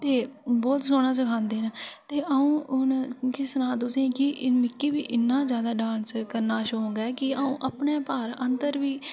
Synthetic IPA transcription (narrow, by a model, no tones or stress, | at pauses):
t̪eːbɔːt̪soːɽ̃aːs̬əkʰãːnd̪eːnːt̪eːʔəũːʊnkɪsnãːd̪ʊsẽːkɪʔmɪkːiːbiːʔɪnːãːzjaːd̪aːɖãːnskəɾnaːʃõːŋɡɛːkɪaũːʔəpneːpaːɾənd̪əɾʋiː